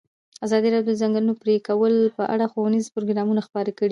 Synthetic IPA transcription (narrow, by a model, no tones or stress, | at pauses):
azɑd̪iɾɑjod̪əzaŋɡəlunopɾekawəlpəʔa̰ɽaxowənizpʊɾoɡɾɑmunaxpɑɾakəɽi